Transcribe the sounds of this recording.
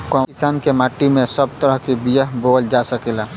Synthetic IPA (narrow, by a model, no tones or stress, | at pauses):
kɔisaːnkemaʈimesəb̚t̪əɾəɦkibijəɦbold͡ʒasəkela